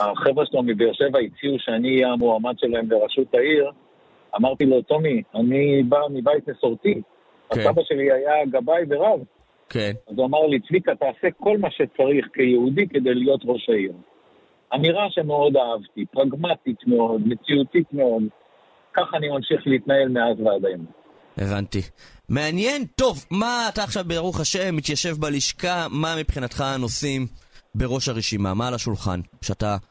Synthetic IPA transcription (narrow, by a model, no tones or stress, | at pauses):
aχevʁeʃelomibejoʃe̞vait͡siuʃeaniajamoamad̪ʃe̞laembeʁaʃut̪aiʁ | amaʁt̪ilo̞t̪o̞mianibamibajt̪neso̞ʁt̪i | asabaʃe̞liajaɡabajveʁav | kazuamaʁlit͡svikat̪aːse̞ko̞lmaʃe̞t͡saʁiχkejeud̪ike̞d̪e̞jlijo̞t̪ʁo̞ʃaiʁ | amiʁaʃe̞meo̞d̪aavt̪ipʁaɡmat̪it̪meo̞d̪me̞t͡siut̪it̪me̞o̞d̪ | kaχanimamʃiχleit̪nae̞lmeazvead̪ajom | ʔe̞̰vantime̞anje̞nto̞vmaːtaːχʃavbeaʁuχaʃe̞mːit̪jaʃe̞vbaliʃkamamipχinatχano̞simbe̞ʁo̞ʃaʁeʃima̰malaʃulχa̰nʃeata